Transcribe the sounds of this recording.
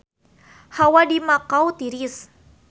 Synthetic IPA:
hawadimakawt̪iɾis

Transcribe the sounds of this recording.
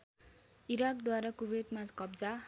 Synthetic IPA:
iɾakd̪waɾakubed̪makʌbd͡za

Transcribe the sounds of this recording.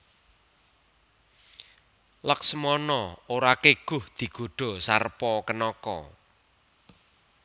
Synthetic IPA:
ləksəmɔnɔoɾakeɡ̥ʊ̤hd̪̥i̤ɡ̥o̤ɖ̥o̤sarpɔkənɔkɔ̰

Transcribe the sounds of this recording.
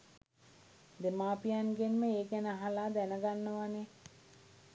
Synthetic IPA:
d̪emaːpijanɡenməeːɡænəaɦalaːd̪ænəɡanːəʋane

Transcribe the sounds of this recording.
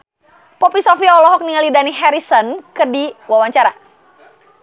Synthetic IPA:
pɔpisɔfiaɔlɔɦɔk̚niŋalidaniɦɛɾisɔnkərdiwawaɲt͡ʃaɾa

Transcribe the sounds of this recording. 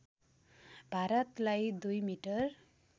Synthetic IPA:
bʱaɾʌt̪lajd̪ujmiʈʌr

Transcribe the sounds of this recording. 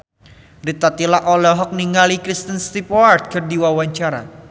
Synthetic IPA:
rit̪at̪ilaʔolɔɦɔk̚niŋalikɾist̪ənst̪ipɔard̪̚kərdiwawaɲt͡ʃaɾa̰

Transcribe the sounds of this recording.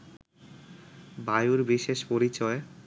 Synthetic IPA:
bajuɾbiʃeʃpoɾit͡ɕɔe

